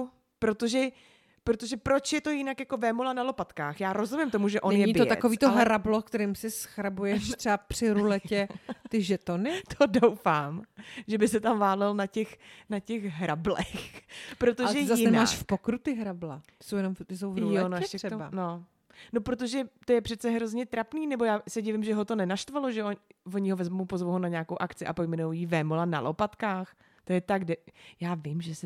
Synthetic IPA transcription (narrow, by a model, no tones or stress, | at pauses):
pɾot̪oʒɛ | pɾot̪oʒɛpɾot͡ʃjɛt̪o̞jɪnakjakovɛmolanalo̞pat̪kaːxjaːɾozumɪmt̪omuʒɛʔonɛnjɲɛɲiɪt̪oj̪a̰tkoviːt̪oɦɾablokt̪ɛɾiːmsɪsxɾabujɛʃt̪r̥ɛapr̥ɪɾulɛcɛt̪ɪʒɛt̪onɪt̪ʰodowfaːmʒɛbɪsɛt̪amvaːlɛlnacɛxnacɛxɦɾablɛxpɾot̪oʒɛjzajɪnma̰ːʃfpokɾut̪ɪɦɾablat̪sowjɛnomt̪ɪs̬owjonoʃɛkɛt̪oano | no̞pɾo̞t̪̬o̞ʒɛt̪o̞jɛpr̥ɛt̪t͡sɛɦɾo̞zɲɛt̪ɾapniːnɛbo̞jaːsɛɟɪvɪmʒɛɦo̞t̪o̞nɛnaʃt̪valo̞ʒɛovoɲɪɦovɛzmowpozvowɦonaɲaːko̞wʔakt͡sɪʔapo̞jmɛnowjivɛːmolana̰lʔopat̪kaːx | t̪o̞jɛt̪aɡdɛjaːvɪmʒɛsɛ